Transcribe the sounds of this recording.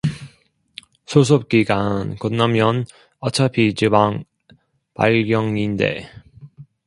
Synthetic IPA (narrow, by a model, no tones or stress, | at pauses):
sʰos̬ʰop̚k͈iɡankonnːamjʌn | ʌt͡ɕʰapʰit͡ɕibaŋ | pa̰ɭɡjʌŋinde̞̰